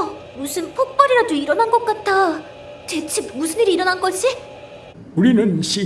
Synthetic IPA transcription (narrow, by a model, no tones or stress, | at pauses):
ʌ | musʰɯnpʰok̚p͈ʌɾiɾadoiɾʌnɦanɡʌk͈at͈ʰa | tet͡ɕʰimusʰɯniɾiːɾʌnanɡʌɕʰi | uɾinɯnɕʰi